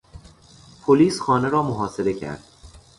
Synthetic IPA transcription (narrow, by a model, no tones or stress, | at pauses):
pʰoliːsxɒːneɾɒːmoɦɒːse̞ɾe̞cʰæ̰ɾd̪̥̚